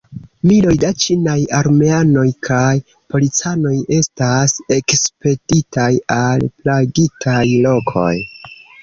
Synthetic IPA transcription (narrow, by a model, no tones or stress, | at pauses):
milo̞jdat͡ʃinajaɾme̞ano̞jkʰaj | po̞lit͡sano̞je̞stase̞kspe̞ditajalplaɡitʰajlo̞kʰo̞̰j